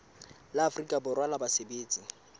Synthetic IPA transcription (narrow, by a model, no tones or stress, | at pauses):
laːfrikʼabʊrwalabasebeːt͡sʼi